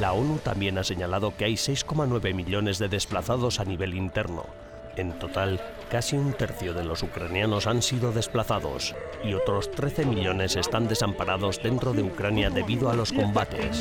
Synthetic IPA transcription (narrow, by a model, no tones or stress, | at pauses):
lao̞nut̪ambje̞nase̞ɲalaðo̞keajse̞jsko̞manwe̞βe̞miʎo̞ne̞zðe̞ðe̞splaθaðo̞saniβe̞lint̪e̞ɾno̞̰ | e̞nt̪o̞t̪al | kasiunt̪e̞ɾθjo̞ð̞e̞lo̞sukɾanjano̞sansiðo̞ðe̞splaθaðo̞̰s | io̞t̪ɾo̞st̪ɾe̞θe̞miʎo̞ne̞se̞st̪and̪e̞sampaɾʔaðo̞zðe̞nt̪ɾo̞ðe̞ukɾanjaðe̞βiðoalo̞sko̞mbat̪e̞̰s